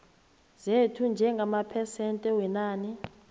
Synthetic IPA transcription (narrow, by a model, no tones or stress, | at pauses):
zetʰund͡ʒʱɛŋɡʱamapʰɛsɛntʼɛwɛnaːni